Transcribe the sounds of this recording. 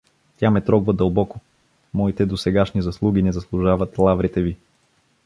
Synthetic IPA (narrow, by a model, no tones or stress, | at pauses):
t̪ʲamɛt̪ɾɔɡvəd̪ɐlˠbɔko | mɔit̪ɛd̪osɛɡaʃnizɐslˠuɡ̟inɛzɐslˠuʒavət̪lˠavɾit̪ɛvi